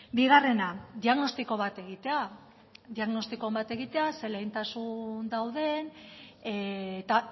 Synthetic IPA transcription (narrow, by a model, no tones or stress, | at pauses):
biɣ̞are̞nad̪iaɣno̞st̪iko̞β̞at̪e̞ɣ̞it̪e̞a | ðiaɣno̞st̪iko̞mbat̪e̞ɣit̪e̞ase̞lejnt̪asund̪awðe̞net̪a